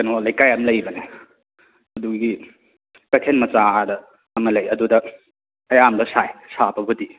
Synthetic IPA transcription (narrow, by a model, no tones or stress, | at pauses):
kɐnolɐjkajɐmlɐjbɐne | ɐduɡi | kɐtʰenmɐt͡ʃaadɐː | mɐlɐjɐdudɐ | ɐjamdɐsajsabɐbudi